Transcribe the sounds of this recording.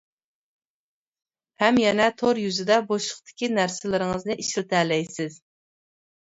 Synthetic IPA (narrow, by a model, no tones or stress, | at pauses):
hɛmjɛnɛt̪ʰoɾjyzɪd̪ɛboʃəχt̪ʰɪ̥kʲinæɾsɪlɪɾɪŋɨznɨʔiʃlt̪ʰæːlɛjsɪz̥